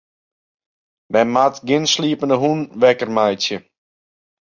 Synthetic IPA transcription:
mɛnmatɡɪnsliəpəndəɦunʋɛkərmajtjə

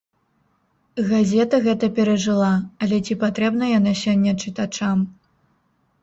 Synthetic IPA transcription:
ɣazʲɛt̪ɐɣɛt̪ɐpʲɛɾɐʐɨlˠaɐlʲɛt͡sʲipat̪ɾɛbnɐjanasʲɔnʲːɐt͡ʂɨt̪at͡ʂam

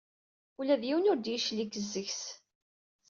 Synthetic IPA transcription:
ulæðjiwənʊɾd̪jiʃlikːəzːəçs

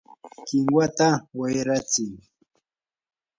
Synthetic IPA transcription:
kɪŋwat̪awajɾat͡sɪŋ

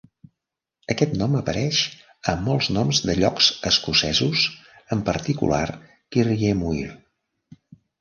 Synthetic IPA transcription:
əkɛt̪nɔməpəɾɛʃ | əmːɔlˠznɔmzðəʎɔkzəskusɛzuzəmpəɾt̪ikṵla̰r | kiriemuiɾ

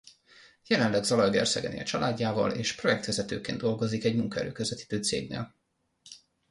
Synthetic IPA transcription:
jɛlɛnlɛɡzɒlɒjɡɛ̰rsɛɡɛnḛːlɒt͡ʃɒlʔaːɟːaːvɒ̰leːʃpro̞jɛk̚t̪ʋɛzɛt̪øːkeːnd̪o̞lɡo̞zikɛɟmuŋkɒɛ̰ɾøːkøzɛt̪i̥t̪øːt̪sḛːɡnḛːl

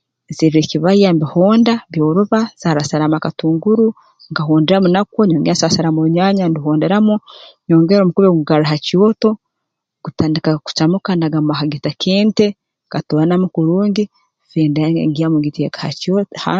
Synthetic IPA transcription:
ziɾiɾeciβajambihoːndaβjoːɾuβaz̥aɾasaɾamakatuːŋɡuɾu | ŋkaɦoːndeɾamunakoɲoːŋɡasasaɾamoβuɲaːɲandiɦoːndeɾamuɲoːŋɡeɾomukuβeɡuɡaɾaɦacioːto̞ | ɡ̥utaːndikaku̥t͡ʃamukanaɡamumaɦaɡitakʰeːnte | katoːanamukuɾuːŋɡi | feːndaḛŋɡiamuɡitijekaha̰cotha

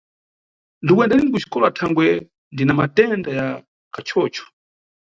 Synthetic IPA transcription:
ndikwɛndaninikut͡ʃi̥kɔlatʰaŋɡwɛ | ndinamatɛndaja | kat͡ʃʰɔːt͡ʃɔ̥

